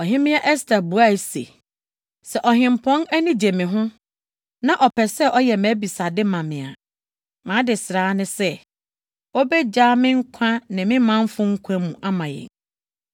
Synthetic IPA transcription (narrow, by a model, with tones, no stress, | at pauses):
ɔ˨ɦɪ̃˦mɪ̃˦ɛ˦ʔɛ˦stʰa˨bu˨a˦˨sḛ˨ | sɛ˨ʔɔ˨ɦɪ̃˨m˨pʰɔ̃˦næ˦nĩ˦d͡ʑe˨mɪ̃˨ɦʊ̃˦ | nã˦ʔɔ˨pʰɛ˨sɛ˦˨ʔɔ˦jɛ˨mæ̃˨˦bi˨sa˨dɪ˦mã˨mɪ̃˨a̰˨ | mã˨˦dɪ˨sɾaː˨˦nɪ̃˦sɛ˦ | ɔ˦bɛ˦d͡ʑaː˦mɪ̃˦ŋ̩˦kʷʰã˦nɪ̃˨mɪ̃˦mã˦m˦fʊ̃˦ŋ̩˦kʷʰã˦mũ˨ʔa˦mã˨jɛ̰˨ŋ